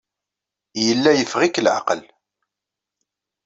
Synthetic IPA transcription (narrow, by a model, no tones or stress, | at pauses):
jəlːæjəfʁiklʕa̰qəl